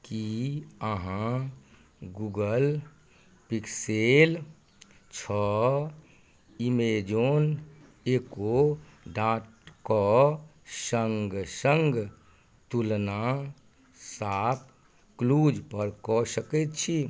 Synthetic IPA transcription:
kiəɦã | ɡuɡəl | piksel | t͡ʃʰɔ | imed͡ʒon | eko | ɖãʈkɔ | səŋɡsəŋɡ | t̪ulna | sap̚ʰ | klud͡ʒpəɾkɔsəkɛt̪̚t͡ʃʰi

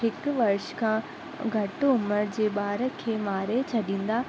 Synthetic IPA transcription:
ɦɪkʋɐɾʃkʰã | ɡʱɐʈʊməɾd͡ʑeːɓaːɾəkʰːeːmaːɾet͡ɕʰɐɗĩːn̆d̪aː

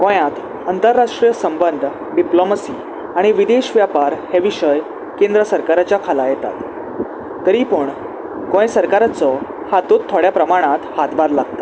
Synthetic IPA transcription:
kɔ̃jãt̪ | ənt̪əɾːaʂʈɾijəsəmbənd̪ʱ | ɖiploməsiː | aɽ̃iʋid̪eɕʋjapaɾhɛʋiɕəj | kẽnd̪ɾəsəɾkaɾat͡ɕjakʰalajɛt̪a̰t̪ | t̪əɾipəɳ | kɔ̃jsəɾkaɾat͡sɔ | hat̪ot̪ʰːoɽjapɾəmaɽ̃at̪hat̪baɾlaɡ̚t̪ə

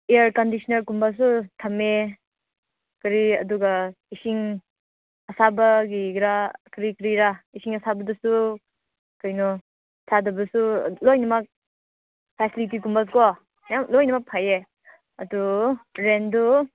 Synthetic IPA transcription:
eaɾkɔndisɔnaɾkumbas̬utʰɐme | kɾiɐ̰duɡa | isiŋ | ɐsabɐɡiɡɾakɾikɾiɾaisiŋɐsabɐdɐsu | kɔjnɔ | sʰadɐbɐsṵlojnɐmɐk̚ | pʰɛsilitikumbas̬ukɔ | jamlojnɐmak̚pʰaje | ɐduɾendu

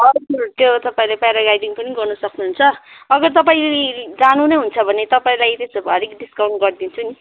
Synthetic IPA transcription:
ʌɾkk̪ot̪ʌpaĩlapajɾaɡajɖiŋpʌniɡʌrnʌsʌknuɦunt͡sʰʌːɡʌrt̪ʌp̬aĩled͡zanunʌjɦunt͡sʰʌbʱʌnet̪ʌpaĩlajt̪esʌbɦʌɾikɖiskaw̃ɳʈɡʌrd̪int͡sʰuni

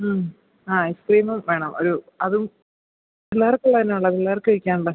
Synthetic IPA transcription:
m | aːeskriːmɐmʋe̞ːɳɐmo̞̰ɾu | ɐðum | ilːaːrkːuɭːɐðinːeuɭːɐðilːaːrkːɨɐɻikʲːaːnɭɐ

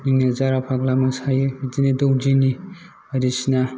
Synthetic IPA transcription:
niŋnazaɾapʰaklamasajɯbitinidowd͡ʒini | ɐɾisina

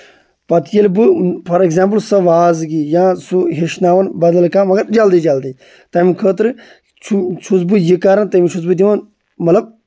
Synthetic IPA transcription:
pɐt̪jelbɨpʰɐɾeɡzãːmplsɐʋaːzɡijãːsuɦeʃnaːʋɐnbɐd̪ɐlkãːmɐɡɐɾd͡ʒɐld̪id͡ʒɐld̪i | t̪ɐːmikʰəːt̪ɨɾ | t͡ʃʰut͡ʃʰusbɨjikaːɾɐnt̪ɐmit͡ʃʰusbɨd̪̬iʋɐn | mɐt̪lɐb̚

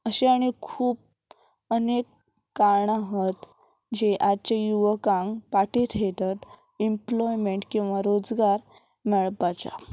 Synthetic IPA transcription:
əɕeaɽ̃ikʰuːp̚ | ənekː | aɾɳaɦət̪ | d͡ʑeʔad̪t͡ɕajuʋəkãŋɡpaʈit̪ʰɦet̪ət̪ | implɔjmeɳʈkĩw̃ʋaɾod͡zɡaɾ | mɛɭpat͡ɕa̰

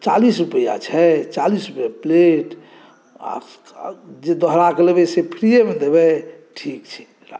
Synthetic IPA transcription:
t͡ʃalisɾupəja̰t͡ʃʰɛt͡ʃalisɾupəjapleʈ | a̰ | d͡ʒed̪ɔɦɾakelebɛsepʰɾijemed̪eβɛʈʰikt͡ʃʰɛ̥ | ɾa

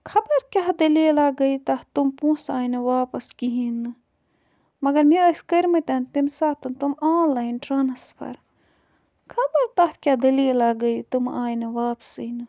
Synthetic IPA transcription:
kʰɐbɐɾkʲaɦd̪ɐlilaːɡɐit̪ɐht̪umpũːsaːjnɨʋaːpɐskiɦinɨ | mɐɡɐɾmiɐskɐɾʲmɐt̪ʲɐnt̪imsaːt̪ɐnt̪umaːllɐinʈɾɐnɐspʰɐ̰ɾ | kʰɐbɐɾt̪aht̪ʰkʲad̪ɐlilaːɡɐit̪umaːjnɨʋaːpsɨnɨ

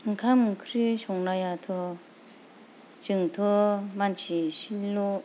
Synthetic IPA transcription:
ŋkʰamkʰɾiɕʰoŋnajat̪ʰu | t͡ɕiŋt̪ʰumant͡ɕʰiɕilo

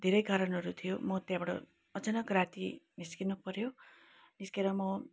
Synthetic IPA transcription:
d̪ʱeɾʌjɡʱaɾʌnʌɾut̪ʰijomʌt̪jãbʌɽʌ̰ | ʌd͡zʌnʌɡɾat̪imiskinupʌɾjo | niskeɾʌmʌ

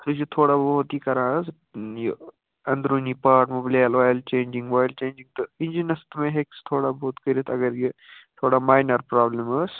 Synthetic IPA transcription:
t̪ʰɐd͡ʒit̪ʰoːɽaboɦʊt̪iːkɐɾãːs | jo | ɐnd̪ɾonipaːʈmoblaalʋaːjlt͡ʃẽːnd͡ʒĩŋɡʋaːjlt͡ʃẽːnd͡ʒiŋɡ̚t̪ɐɪnd͡ʒinɐst̪mẽɦekst̪ʰoːɽaboɦut̪kəɾit̪ʰɐɡɐɾji | t̪ʰoːɽamaːjnɐɾpɾaːbləməːs

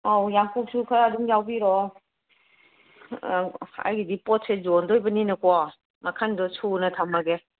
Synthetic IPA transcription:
awjaŋkuk̚sukʰaɾaduŋjawbiɾɔ | a̰jɡidipɔt̚sezɔndɔjbɐninɐkɔ | makʰandɔsʰunɐtʰamaɡe

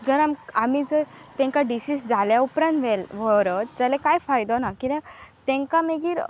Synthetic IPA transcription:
d͡zəɾamamid͡zəɾt̪ɛ̃ŋkaɖisisd͡zaljaupɾãnʋelʋəɾət̪̚d͡zalekajfajd̪ɔnakiɾẽt̪ɛ̃ŋkameɡiːɾ

